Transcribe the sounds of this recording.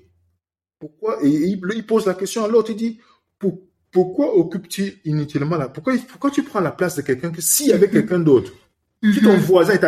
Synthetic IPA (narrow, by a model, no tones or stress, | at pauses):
puʁkwaʔeililpozlakɛst̪jɔ̃alɔʁt̪id̪i | pu | puʁkwaʔokypt̪yinyt̪ilmɑ̃lapuʁkwaipuʁkwat̪ypχɑ̃laplasd̪əkɛlkɛ̃k̬əsiljavɛkɛlkɛ̃d̪ot̪χ | t̪ut̪ɔ̃vwazɛ̃ɛt̪a